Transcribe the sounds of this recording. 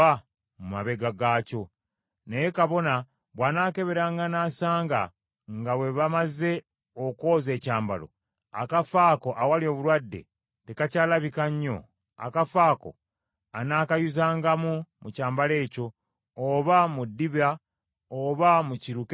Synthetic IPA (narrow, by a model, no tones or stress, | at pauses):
a | muma̰βe̞ɡaɡaco̞ | nejekaβo̞na | βwaːnaːke̞βe̞ɾaːŋɡanaːsaːŋɡa̰ | ŋɡawe̞βamaze̞ | okoːze̞ːcaːmba̰lo̞̰ | a̰kafaːko̞ʔawalio̞ːβulwadːe̞̰ | tekacaːlaβikaɲːo̞̰ | a̰kafaːko̞̰ | anaːkajuzaːŋɡamumucaːmbale̞ːco̞ː | βamudːiβa | oβamuciɾuk